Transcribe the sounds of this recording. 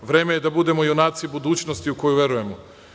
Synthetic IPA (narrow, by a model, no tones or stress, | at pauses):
ʋɾe̞ːmejed̪abud̪e̞mojonaːt̪sibud̪uːt͡ɕnost̪iuko̞juʋje̞ɾuje̞mo